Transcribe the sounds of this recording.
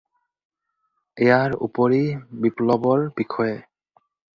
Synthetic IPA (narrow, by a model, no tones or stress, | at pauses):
ejaɹṵpoɹibiplɔbɔɹbikʰɔe